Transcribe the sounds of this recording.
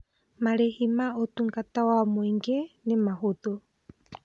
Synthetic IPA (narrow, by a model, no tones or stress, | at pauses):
mãɾehimãot̪uŋkat̪awamoiŋɡenemãɦot̪o